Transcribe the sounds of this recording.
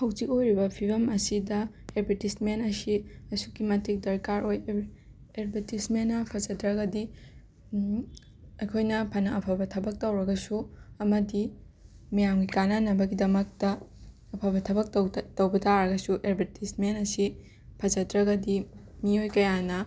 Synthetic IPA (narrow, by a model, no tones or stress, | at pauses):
hɐwd͡ʒikojɾibɐpʰibɐmɐsidɐ | eɾbʱɐɾtismenɐsiɐsukimɐtik̚dɐɾkaɾoj | eɾbʱɐɾtismenːɐpʰɐd͡ʒɐdɾɐɡɐdi | ɐjkʰojnɐpʰɐnɐɐpʰɐbɐtʰɐbɐk̚tɐwɾɐɡɐsuɐmɐdi | mɐjamɡikananɐbɐɡidɐmɐk̚tɐ | ɐpʰɐbɐtʰɐbɐk̚twtɐwbɐtaɾɐɡɐsuʔeɾbʱɐɾtʰismenɐsi | pʰɐd͡ʒɐdɾɐɡɐdi | miojkɐjanɐ